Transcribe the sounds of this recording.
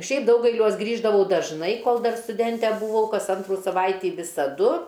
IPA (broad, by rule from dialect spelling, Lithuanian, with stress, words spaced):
ˈʃʲɛɪp ˈdɐʊɡɐɪlʲuɔs ˈɡrʲiːʒdɐʋɐʊ dɐʒˈnɐɪ ˈkoːlˠ ˈdɐr stʊˈdʲɛnʲtʲɛ bʊˈʋɐʊ ˈkɐs ˈɐntruː sɐˈʋɐɪtʲiː ʋʲɪsɐˈdʊ